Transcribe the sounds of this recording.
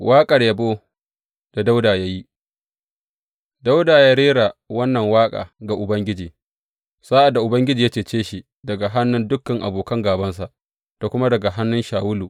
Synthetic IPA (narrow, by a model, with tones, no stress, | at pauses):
wʔaː˦kʼɐ˨rjɐ˨boː˦ | d̥a˨da˦wdaː˨ja˦ji˦ | da˦wdaː˨ja˦ɽeː˦ɽa˨wɐ˦nːɐ˨ŋwaː˦kʼa̰ː˨ɡa˨ʔʊ˨bɐ˦ŋɡʲɪ˦d͡ʒiː˨ | sa˦ʔa˨dːa˨ʔʊ˨bɐ˦ŋɡʲɪ˦d͡ʒiː˨ja˦t͡ʃeː˦˨t͡ʃeː˦ʃi˨ | dɐ˨ɡa˨ɦa˦nːʊ˦ndʊ˦kːɐ˨ŋʔa̰˨boː˨kɐ˦ŋɡaː˨bɐ˦ns̬a˨ʔ | ta˨kʷʊ˦ma˦dɐ˨ɡa˨ɦa˦nːʊ˦nʃaː˨wʊ˦luː˨